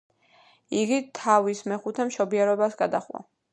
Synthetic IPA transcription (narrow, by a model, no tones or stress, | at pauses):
iɡit̪ʰavismɛχut̪ʰɛmʃɔbiɛɾɔbasɡad̪aχwa̰